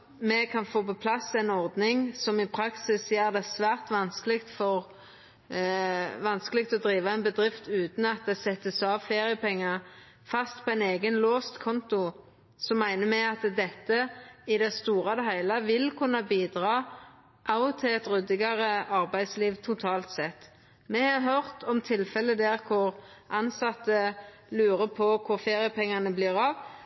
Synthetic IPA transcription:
mɛkʰɑnfoːpɔpʰlɑsːæɪnɔʁd̪nɪŋsɔmɪpʰɾɑksɪsjeːʁd̪ɛsʋæːʁt̪ʋɑnskəlɪɡt̪fɔʁ | ʋɑnskəlɪkt̪ɔd̪ɾiːʋɑɛnbəd̪ʁɪft̪ʉːt̪n̩ɑt̪̚d̪ɛsɛt̪ːəsɑːʋfeːʁɪəpɛŋːə | fɑst̪pʰɔæɪneːɡənloːst̪kʰɔnt̪ʊ | sɔmːæɪnəmɛɑt̪d̪ɛt̪ːəɪd̪ɛst̪uːʁɑd̪ɛɦæɪlɑʋɪlkʰʉnːɑbiːd̪ʁɑː | ʔɑʊt̪ʰɪlɛt̪ʁʉd̪ɪɡɑʁəɑʁbæɪd̪sliːʋt̪ʰʊt̪ʰɑːlt̪sɛt̪ː | mɛhɑɦœʁt̪ʰɔmt̪ʰɪlfɛləd̪ɛʁkʰʊʁʔɑnsɑt̪ːə | lʉːʁəpʰɔkʰʊʁfeːʁɪəpɛŋːɑnəbliːʁɑʋ

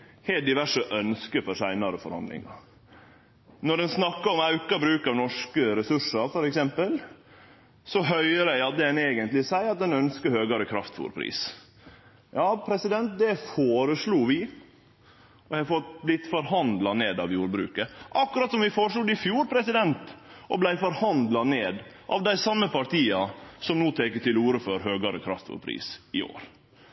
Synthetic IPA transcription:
heːld̪ɪʋæʂəʔœnskəfɔɾʂæɪnɑɾəfɔ̰ɾhɑ̰nd̪lɪ̰ŋɑ̰ | nɔɖɛnsnɑkːɑɔmɑʉkɑbɾʉːkɑʋnɔʂkəɾɛsʉʂɑɾfɔɾɛksɛmpəl | sɔɦœʏɾəɑd̪əɛneːɡənt̪lɪsæɪɑt̪̚d̪ɛnœnskəhøːɡɑɾəkʰɾɑft̪fṵːɾpʰɾḭːs | jɑːpʰɾɛsɪd̪ɛnt̪̚d̪ɛfoːɾəsluːʋɪ | ɔʋɑfɔt̪blɪt̪ːfɔɾhɑnd̪lɑneːd̪ɑʋjuːɾbɾʉ̰ːkəʔɑkːʉɾɑt̪sɔmʋɪfoːɾəʂluːd̪ɪfjuːɾpʰɾɛsɪd̪ɛnt̪ʔɔblæɪfɔɾhɑnd̪lɑneːd̪ | ʔɑ̰ʋd̪æɪsɑmːəpɑɾʈ̪iːɑsɔmnuːt̪ʰeːkət̪ɪluːɾəfɔɾhøːɡɑɾəkʰɾɑft̪fṵːɾpʰɾḭːsɪo̰ːɾ

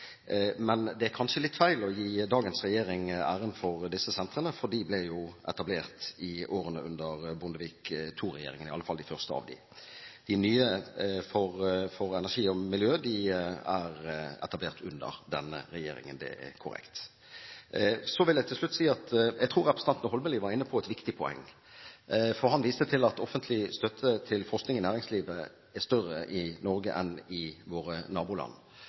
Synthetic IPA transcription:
mɛnd̪ɛæɾkʰɑnʂəlɪt̪ːfæɪlɔjiːd̪ɑːɡənsʁɛjeːɾɪŋæːɾənfɔʁd̪ɪsːəsɛnt̪ɾənəfɔʁd̪ɪblɛjʊʔɛ̰t̪ɑbleːʁt̪ɪʔoːɾənəʉnd̪əʁbʊnd̪əʋiːkt̪ʰuɾɛjeːɾɪŋənɪɑlːəfɑlːd̪ɪfœʁst̪əɑ̰ːʋd̪ɪ̰ | d̪̥ɪnyːəfɔɾfɔɾɛnæʂiːɔmɪljøːd̪ɪæɾɛ̰t̪ɑbleːʁt̪ʰʉnd̪ə̰ɾd̪ɛnːə̰ɾɛjeːɾɪ̰ŋənd̪ɛ̰ɛ̰kʰʊɾɛ̰kt̪ | sɔʋɪljæɪt̪ʰɪlslʉt̪ːsiːɑt̪jɛɡt̪ʰʁuːɾɛpɾəsɑnt̪nəhɔlbəliːʋɑɾɪnːəpʰɔɛt̪ʋɪkt̪ɪpʰɔɛ̰ŋː | fɔɾɦɑnʋiːst̪ət̪ʰɪlɑt̪ɔfənt̪ʰlɪst̪œt̪ʰːət̪ʰɪlfɔʁsknɪŋɪnæːɾɪŋsliːʋə | ɛst̪œrːəʔɪnɔɾɡə̰ʔɛnɪʋoːɾənɑːbuːlɑ̰nː

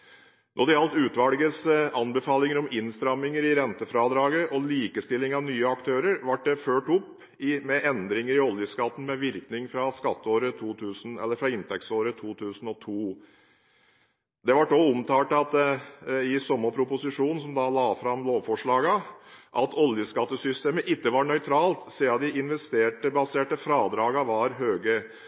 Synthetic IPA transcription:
nʔɔd̪ɛɑlt̪ʉːt̪ʋɑlɡəsɑnbɛfɑːlɪŋəɾɔmɪnst̪ɾɑmɪŋəɾɪɾɛnt̪əfɾɑːd̪ɾɑːɡəʔɔliːkəst̪ɪlːɪŋɑʋnyːəɑkt̪ʰøːɾəɾʋɑʈ̚ɖ̪ɛføːʈɔpː | ɪmɛʔɛnd̪ɾɪŋəɾɪɔljəskɑt̪ːn̩mɛʋɪɾknɪŋfɾɑskɑt̪ːəoːɾət̪ʰuːt̪ʰʉːsn̩ɛlːəɾfɾɑɪnt̪ʰɛk̚tsoːɾət̪ʰuːt̪ʰʉːsn̩ɔt̪ʰuː | d̪ɛʋɑʈnoːʊmt̪ʰɑːʈɑt̪ | ɪsɔmːəpʰɾʊpʊsɪʂuːnn̩sɔmd̪ɑlɑːfɾɑmloːʋfɔʂɭɑːɡɑʔɑt̪ʰɔljəskɑt̪ːəsʏst̪eːməʔɪt̪ːəʋɑɾɳœʏt̪ʰɾɑːlt̪seːɑd̪ɪʔɪnʋɛst̪eːʈəbɑseːʈəfɾɑːd̪ɾɑːɡɑʋɑɾɦøːɡə

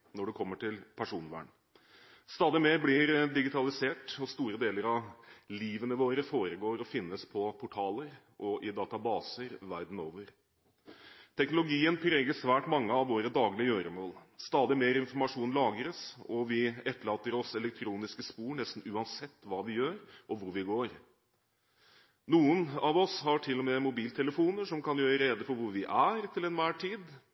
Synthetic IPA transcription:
nɔɖɛkʰɔmːəʈʰɪlpʰæʂuːnʋæ̰ːɳ | st̪ɑːd̪ɪmeːɾblɪɾd̪ɪɡɪt̪ʰɑlɪseːʈɔst̪uːɾəd̪eːləɾɑʋliːʋənəʋoːɾəfoːɾəɡoːɾɔfɪnːəspʰɔpʰʊʈʰɑːləɾ | ʔɔʔɪd̪ɑːt̪ɑbɑːsəɾʋæɾd̪n̩oːʋəɾ | t̪ʰɛknʊlʊɡiːənpʰɾeːɡəʂʋæːʈmɑŋːəɑʋʋoːɾəd̪ɑːɡlɪəjøːɾəmoːlst̪ɑːd̪ɪmeːɾɪnfɔɾmɑʂuːnlɑːɡəɾəsɔʋɪɛt̪ːəɭɑːt̪ːəɾɔsɛlɛkt̪ʰɾuːnɪskəspuːɳɛst̪n̩ʉːɑnsɛt̪ːʋɑːʋɪjøːɾʔɔʋʊɾʋɪɡoːɾ | nuːənɑʋɔshɑʈʰɪlːɔmeːmʊbiːlt̪ʰɛləfuːnəʂɔmkʰɑnjøːɾəɾeːd̪əfɔɾʋʊɾʋɪʔæɾt̪ʰɪlɛnʋæːʈʰiːd̪

